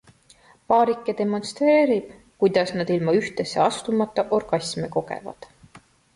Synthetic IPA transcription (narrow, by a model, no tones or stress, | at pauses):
pɑːɾikˑːed̪e̞mo̞nst̪re̞ːɾib̥ | kujd̪̥ɑsnɑd̪̥ilmɑyht̪e̞sːe̞ɑst̪umɑt̪ˑːɑʔo̞rɡ̥ɑsʲmeko̞ɡḛvɑ̰d̪̥